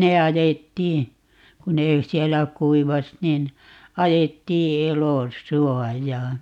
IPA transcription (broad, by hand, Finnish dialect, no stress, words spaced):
ne ɑjetːiː ku neː siɛlːæ kuiʋɑs nin ɑjetːiː elosuɔjɑː